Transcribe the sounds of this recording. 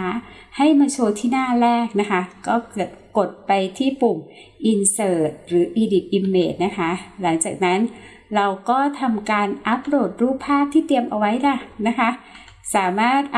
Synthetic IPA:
a˦˥ | ha˥˩jmaː˧t͡ɕʰoː˧t̪ʰiː˥˩naː˥˩ɾɛː˥˩k̚na˦˥kʰa˦˥kɔː˥˩kɯ˨˩ət̪̚ko˨˩t̪̚pa˧jt̪ʰiː˥˩pu˨˩m | ʔi˧nsɤː˨˩t̪̚ɾɯː˩˦ʔiː˧di˨˩p̚ʔi˧mːeː˨˩t̪̚na˦˥kʰa˦˥la˩˦ŋt͡ɕaː˨˩k̚na˦˥n | ɾa˧wkɔː˥˩t̪ʰa˧mkaː˧nʔa˦˥p̚ɾo˨˩t̪̚ɾuː˥˩pʰːaː˥˩p̚t̪ʰiː˥˩t̪i˧əmʔa˧wa˦˥jda˧˩na˦˥kʰa˦˥ | saː˩˦maː˥˩t̪̚

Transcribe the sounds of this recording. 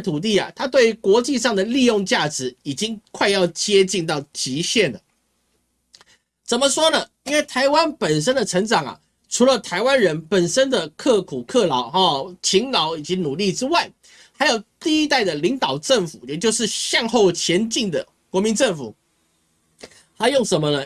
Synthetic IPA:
t̪ʰu˨˩t̪̬i˥˩ɐ̰˩t̪ʰa˥t̪̬we˥˩ɪ˧kwɔ˧˥t͡ɕi˥˧ʂɑ˥˩ŋd̪ə˩li˥˧jʊ˥˧ŋt͡ɕja˥˩ʈ͡ʂɻ̩˧˥i˨˩t͡ɕi˥ŋkʰwa˥˧ɪjɑ˥˧ʊt͡ɕjɛ˥t͡ɕi˥˧ŋt̪ɑ˥˩ʊt͡ɕi˧˥ɕjɛ˥˩ndə˩ | t͡sə˨˩nmə˦ʂwɔ˥nə˨i˥nwe˥˩ɪt̪ʰa˧˥ɪwa˦npə˨˩nʂ̬ə˥nd̪ə˨ʈ͡ʂʰɤ˧˥ŋʈ͡ʂɑ˨˩ŋɐ̰˨˩ | ʈ͡ʂʰu˧˥lə˨t̪ʰa˧˥ɪwa˦nɻə˧˦npə˨˩nʂə˥nd̪ə˨kʰɤ˥˩kʰu˨˩kʰɤ˥˩lɑ˧˥ʊ˧t͡ɕʰi˧˥ŋlɑ˧˥ʊi˨˩t͡ɕi˧˥nu˨˩li˥˨ʈ͡ʂɻ̩˥wa˥˩ɪ | xa˧˥ɪjo˨˩ʊt̪i˥˩i˦˥t̪a˥˩ɪd̪ə˩li˧˥ŋt̪ɑ˨˩ʊʈ͡ʂə˥˩ŋfu˨˩jɛ˨˩t͡ɕjo˥˧ʊʂɻ̩˥˧ɕjɑ˥˧ŋxo˥˩ʊt͡ɕʰjɛ˧˥nt͡ɕi˥˩ŋd̪ə˩ | kwɔ˧˥mi˧˥nʈ͡ʂə˥˩ŋfu˨˩ | xa˧˥jo˥˩ŋʂə˧˥nmə˧nə˧

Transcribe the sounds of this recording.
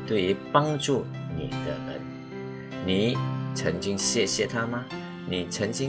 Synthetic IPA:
t̪we˥˩ɪy˧˦pa˥ŋʈ͡ʂu˥˩ | nḭ˨˩d̪ə̰˦ɹə̰˧˦n | ni˨˩t͡sʰə˧˦ŋt͡ɕi˥ŋɕjɛ˥˧ɕjɛ˥˧t̪ʰa˥˦ma˧ | ni˨˩t͡sʰə˧˦˥ŋt͡ɕi˥

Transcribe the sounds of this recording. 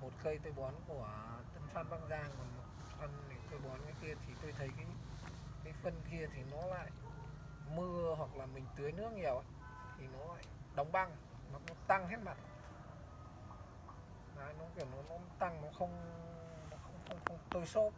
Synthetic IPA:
mo˨˩t̚kə˧jt̪ə˧˩jɓɔ˨˦nku˧˩ət̪ə˧˩nswaː˧nɓa˧ŋzaː˧ŋkɔ˨˩nmo˨˩t̚ | fə˨˩ni˨˦t̪ə˧˩jɓɔ˨˦nkaː˨˦jki˧ət̪ʰi˨˩t̪o˧jt̪ʰə˨˦jkaː˨˦j | kaː˨˦jfə˨˩nki˧ət̪ʰi˨˩nɔ˨˦la̰ː˧˨j | mɨ˧əɦwa˨˩k̚laː˨˩mï˨˩ŋ̟t̪ɨ˨˦əjnɨ˦˥ək̚ŋi˨˩əwa˧˨ | t̪ʰi˨˩nɔ˨˦la̰ː˧˨jɗə˨˦wŋ͡mɓa˧ŋ | ma˨˩t̚nɔ˨˦t̪a˧ŋɦe˦˥t̚ma˨˩t̚ | laː˧˨jnɔ˨˦ki˧˩əwnɔ˨˦nɔ˨˦t̪a˧ŋnɔ˨˦xə˧wŋ͡m | nɔ˨˦xə˧wŋ͡mxə˧wŋ͡mxə˧wŋ͡mt̪o˧jso˦˥t̚

